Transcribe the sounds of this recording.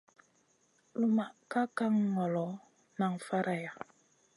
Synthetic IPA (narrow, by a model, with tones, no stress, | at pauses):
lu˦ma˨ka˦ka˦ŋːɔ˨lɔ˨˦ | na˨ŋfa˦ɾʔa˨ja˨